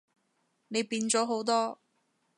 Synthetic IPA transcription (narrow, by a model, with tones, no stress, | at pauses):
ne˨˧jpiː˧nt͡sɔː˨˥ɦo˨˥wt̪ɔː˥